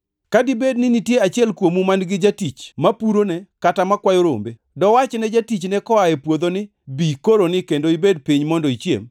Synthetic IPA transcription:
kadɪbednɪnitjeat͡ʃjɛlkwomumanɡɪd͡ʒatit͡ʃmapuɾonɛkatamakwajoɾo̰mbe | dɔwat͡ʃnɛd͡ʒatit͡ʃnɛkɔaɛpwod̪onɪ | bikoɾonɪkendoibed̚piɲmɔndɔit͡ʃjḛm

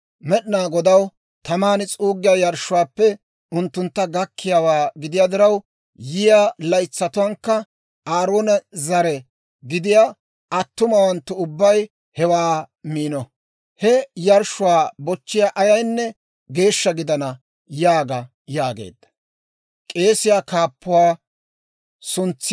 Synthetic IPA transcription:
mɛɗnaːɡɔd̪ɐw | t̪ɐmaːnɪt͡sʼuːɡɪjɐjɐɾʃʊwaːpːɛ | ʊnt̪ːʊnt̪ːɐɡɐkʰːɪjaːwaːɡɪd̪ɪjaːd̪ɪɾɐw | jɪjalɐjt͡sːɐt̪ʊwɐŋkːɐ | ʔaːɾoːnɐzɐɾɛ | ɡɪd̪ɪjaː | ʔɐt̪ːʊmɐwɐnt̪ːʊʊbːɐj | hɛwaː | miːnɔ | hɛjɐɾʃːʊwaːbɔt͡ʃːɪjaːʔɐjɐjnːɛ | ɡe̞ːʃːɐɡɪd̪ɐnɐ | jaːɡɐ | jaːɡe̞̰ːd̪ːɐ̥ | kʼe̞ːsɪjaːkaːpːʊwaː | sʊnt͡sː

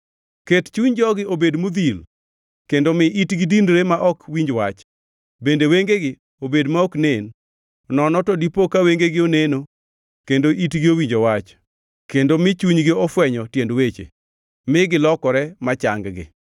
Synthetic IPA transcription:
kett͡ʃuɲd͡ʒɔɡɪobedmud̪il | kendomɪʔitɡɪdindɾemaʔɔkwiɲd͡ʒwat͡ʃ | bendeweŋɡeɡɪ | obedmaɔknen | nɔnɔtɔdipokaweŋɡeɡɪoneno | kendoʔitɡɪowiɲd͡ʒowat͡ʃ | kendomɪt͡ʃuɲɡɪɔfwɛɲɔtjendwet͡ʃḛ | mɪɡɪlɔkɔɾɛmat͡ʃa̰ŋɡɡɪ̰

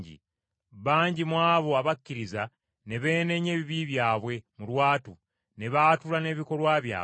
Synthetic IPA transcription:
ɟḭ | βaːɲɟimwaːβo̞aβakːiɾiza | ne̞βe̞ːne̞ɲe̞ːβiβiβjaːβwe̞mulwaːtu | ne̞βaːtulane̞βiko̞lwaːβja̰ː

